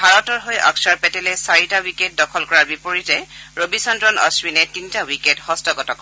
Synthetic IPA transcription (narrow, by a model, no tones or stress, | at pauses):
bʱaɹɔtɔɹɦojʔɔ̰ksaɹpɛtɛlɛsaɹitawiket̚dɔkʰɔlkɔɹaɹbipoɹitɛɹobisɔntɹɔnɔ̰swinɛtintawikethɔstɔɡɔtɔkɔ